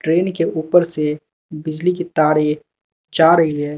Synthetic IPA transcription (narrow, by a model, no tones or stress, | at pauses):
ʈɾeːnkeʔuːpəɾse | bɪd͡ʒlikit̪aːɾe | d͡ʒaːɾɐɦiɦɛː